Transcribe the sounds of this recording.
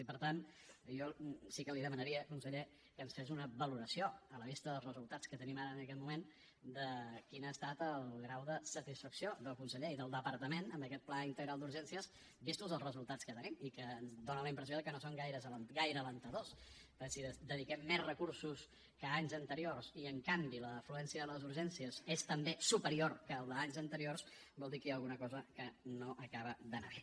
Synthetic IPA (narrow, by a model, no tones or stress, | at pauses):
ipəɾt̪anjɔsikəliðəmənəɾiəkunsəʎe | kəːnsfezunəβəluɾəsijoələβist̪əðəlˠzrəzulˠt̪at͡skət̪ənimaɾəːnəkɛt̪mumen | d̪əkinaəst̪at̪əlˠɣɾawðəsət̪isfəksioðəlˠkunsəʎeiðəlˠd̪əpəɾt̪əmenəmbəkɛt̪̚plaint̪əɣɾalˠd̪uɾʒɛnsiəs | bist̪uzðəlˠzrəzulˠt̪at͡skət̪ənimikəzd̪onələimpɾəsioðəkənosoŋɡajɾəzləɡajɾəːlənt̪əðospəsiəd̪əðikɛmːezrəkuɾsus | kəaɲzənt̪əɾiorsiəŋkambiləfluɛnsiəðələzuɾʒɛnsiəzest̪əmbesupəɾiorkəlˠd̪əaɲzənt̪əɾiors | bɔlˠd̪ikəjaəlˠɣunəkɔzəkənoʔəkaβəd̪əna̰βɛ